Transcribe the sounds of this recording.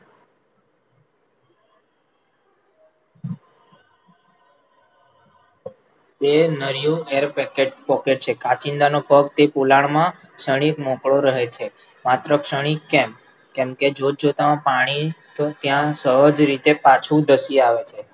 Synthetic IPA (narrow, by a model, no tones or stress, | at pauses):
t̪enəɾijũeɾpɛkeʈ̚pɔkeʈ̚t͡ʃʰekat͡ʃind̪anobʱəɡt̪epulaɳmã | kʃəɽ̃ikmõkɭoɾəɦet͡ʃʰe | mat̪ɾəkʃəɽ̃ikɛm | kɛmked͡ʒod͡ʒot̪amãpaɽ̃it̪ʰot̪jãsəɦəd͡ʒɾit̪epat͡ʃʰũd̪əsiaʋet͡ʃʰe